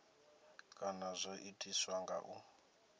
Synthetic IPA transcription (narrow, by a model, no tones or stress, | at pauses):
kʼanazʷoʔitʼiswaŋɡa̰ʔu